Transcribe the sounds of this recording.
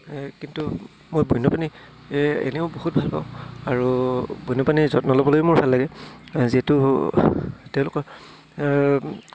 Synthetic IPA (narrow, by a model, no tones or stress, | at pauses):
kintu | mojbɔjnːɔpani | ḛneʊboɦut̚bʱalba̰ʊ̃aɹubɔjnɔpanizɔtnɔlɔbɔlojmʊɹbʱalːaɡɛziɛtʊ | tɛ̃ʊ̃lʊkɔ